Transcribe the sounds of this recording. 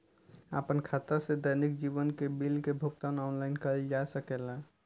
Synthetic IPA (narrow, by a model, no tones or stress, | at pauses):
ə̰pənkʰat̪ased̪əjnik̚d͡ʒibənkebilkebʱʊkt̪anɔːnlaɪnkəɾid͡ʒasəkela